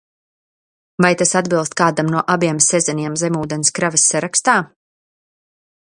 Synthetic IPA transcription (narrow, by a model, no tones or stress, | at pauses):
vajt̪asad̪bilˠst̪̚kaːd̪amnuɔʔabiɛmsɛzɛniɛmzɛmuːd̪ɛnskɾavisːaɾakst̪aː